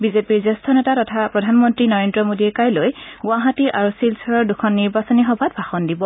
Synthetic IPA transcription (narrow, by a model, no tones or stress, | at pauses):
bizepiɹzɛstʰɔnetatɔtʰapɹɔdʱanmɔntɹinɔɹendɹɔmodiɛkajlojɡʊaɦatiʔaɹusilsɔɹɔɹdukʰɔnːiɹbasɔnixɔbʱat̚bʱaxɔndibɔ